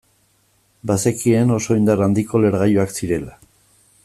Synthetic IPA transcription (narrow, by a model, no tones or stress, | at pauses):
basekie̞no̞so̞ind̪arand̪iko̞le̞ɾɣajuaksiɾe̞la